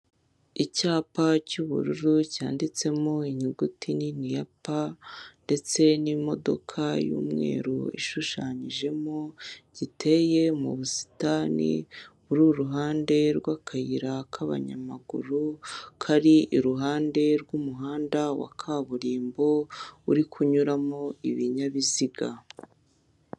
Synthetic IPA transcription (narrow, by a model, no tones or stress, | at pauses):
icaːpacuβṵɾuɾucaːndit͡se̞mo̞iɲiɡutininijapande̞t͡se̞nimo̞̰do̞̰kʰajṵːmŋe̞̰ːɾuḭʃuʃaːɲiʒe̞moɟ̥ite̞je̞mṵβusi̥tanḭβuɾuɾuɦaːnde̞ɾɡwakʰajiɾakʰaβa̰ɲa̰maɡṵɾukʰaɾiʔiɾuɦaːnde̞ɾɡumuɦaːndawa̰kʰaβuɾiːmbo̞uɾikʰuɲuɾamoiβiɲaβiziɡa